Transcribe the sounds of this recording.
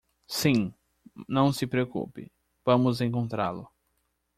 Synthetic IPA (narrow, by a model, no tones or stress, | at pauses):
sĩ | nɐ̃w̃sɪpɾeokṵpɪ̰ | vɐ̃mʊzẽŋkõnt̪ɾa̰ɾlʊ